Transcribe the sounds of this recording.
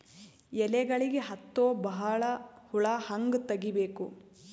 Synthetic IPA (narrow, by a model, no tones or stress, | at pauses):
ɛlɛɡɐɭiɡeɦɐt̪ːoːbɐɦɐɭɐhuɭahɐŋɡt̪ɐɡibe̞ːku